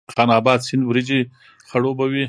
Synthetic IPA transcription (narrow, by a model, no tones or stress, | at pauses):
xɑnɑːbɑːd̪sinbɾid͡ʒi | xaɽobawi